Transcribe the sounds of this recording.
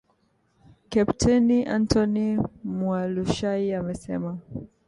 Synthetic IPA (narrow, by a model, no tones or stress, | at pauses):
kɛptʰɛniʔãntʰɔnimwaluʃaiamɛsɛ̰ma